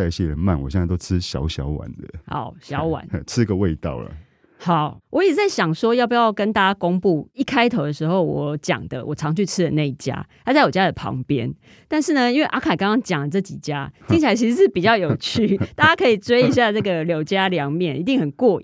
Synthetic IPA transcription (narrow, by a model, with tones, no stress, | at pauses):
a˥˧ɕje˦ɻə˧˦nma̰˥˨nwɔ˨˩ɕjɛ˥˧na˥˧t̪o˥ʊʈ͡ʂʰɻ̩˦ɕjɑ̰˧˥ʊɕjɑ̰˨˥ʊwa̰˨˩nd̪ə˦a̰˨˩˦ʊɕjɑ˨˦ʊwa̰˨˦n˧ʈ͡ʂʰɻ̩˥˦i˧ɡə˨we˥˧ɪt̪ɑ̰˥˨˩ʊlə̰˨˩ | ha˨˩˦ʊwʔɔ˦i˨˩˧t͡sa˥˩ɪɕjɑ˨˩ŋʂwɔ˥jɑ˥˩ʊp̬u˨˩jɑ˥˩ʊkə˦nt̪a˥˩t͡ɕa˦ko˦ŋpu˥˩i˥˩kʰa˥ɪt̪ʰo˧ʊd̪ə˨ʂɻ̩˧˥xo˥˨˩ʊwɔ˨˦t͡ɕjɑ̰˨˩ŋd̪ə̰˦wɔ˨˩ʈ͡ʂʰɑ˧˦ŋt͡ɕʰy˥˩ʈ͡ʂ̩ʰ˥d̪ə˨na˥˧i˥˩t͡ɕja̰˦˥t̪ʰa˥˦t͡sa˥˩ɪjwo˨˩t͡ɕja˦˥d̪ə˨pʰɑ̰˧˦ŋpjɛ̰˦˥n | t̪a˥˧nʂ̬ɻ̩˥˩nə˨i˥nwe˥˩ɪʔa˥kʰa˨˩kɑ˥ŋkɑ˥ŋt͡ɕjɑ˨˩ŋlə˩ʈ͡ʂɤ˥˩t͡ɕi˨˩t͡ɕja˦t͡ɕʰŋt͡ɕʰa˨˩la˧ɪt͡ɕʰi˧˥ʂ̩˧˥ʂɻ̩˥˩pi˨˩t͡ɕjɑ˥˩ʊjo˨˩ʊt͡ɕʰy˥˩t̪a˥˩t͡ɕa˥kʰɤ˧˥i˨˩t͡swe˥ɪi˧ɕ̬ja˥˧t͡sɤ˥˩ɡə˨˩ljo˧˥ʊt͡ɕja˦ljɑ˧˦ŋmjɛ˥˨nʔi˧t̪̬i˥˩ŋxə˨˩nkwɔ˥˧